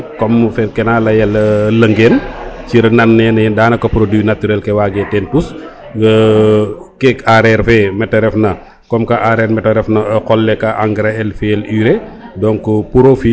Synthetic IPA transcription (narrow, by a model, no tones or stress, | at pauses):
kɔmfɛkɛnalɐjɐlɐlɐŋɡɛːnciɾɐnɐnːɛnɛdaːnɐkɐpɾodinatyɾɛlkɛwaːɡɛtɛntus | kɛkaɾɛɾfɛmɛtːɐɾɛfnɐ | kɔmkɐʔaɾɛːɾmɛtːɐɾɛfnɐkɔlːɛkɐʔaŋɡɾaɛlfɛliːɾɛdɔŋkupuɾofi